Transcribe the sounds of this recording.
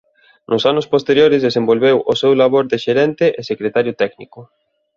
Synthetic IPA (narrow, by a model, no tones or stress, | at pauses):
nʔʊsanʊspost̪eɾjoɾɪzðesembolβ̞ewʊsɛwlaβ̞oɾðeʃeɾɛnt̪eʔesekɾet̪aɾjʊt̪ɛknḭkʊ